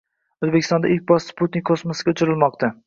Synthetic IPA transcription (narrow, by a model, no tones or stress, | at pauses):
ozbekʲɪ̥st̪ɒnd̪aɪk̚ʲbɒssput̪̚nɪkʲkʰːosmosɡʲaʊt͡ʃʰɪɾɪlmɒqt̪ʰa